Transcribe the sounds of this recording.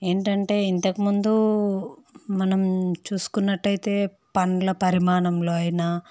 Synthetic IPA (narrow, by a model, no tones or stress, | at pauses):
e̞ːɳʈɐɳʈe̞ːint̪ɐkimund̪u | mɐnɐmt͡ʃuːsu̥kunːɐʈːɐjt̪e̞ː | pɐɳlɐpɐɾimaːɳɐmlo̞ːɐjinaː